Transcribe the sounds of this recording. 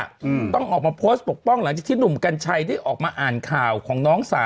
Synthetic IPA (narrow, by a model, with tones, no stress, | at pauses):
t̪ɔ˥˩ŋʔɔː˨˩k̚maː˧pʰoː˦˥st̪̚po˨˩k̚pɔ˥˩ŋla˩˦ŋt͡ɕaː˨˩t̪ʰiː˥˩nu˨˩mka˧nt͡ɕʰa˧jt̪ʰiː˥˩ʔɔː˨˩k̚maː˧ʔaː˨˩nkʰaː˨˩wkʰɔː˩˦ŋnɔː˦˥ŋsaː˨˦